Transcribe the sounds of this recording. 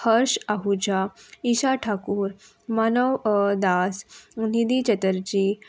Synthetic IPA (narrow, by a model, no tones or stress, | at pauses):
həɾɕaɦud͡ʑaiɕaʈʰakuːɾ | manəʋd̪asnid̪it͡ɕət̪əɾd͡ʑi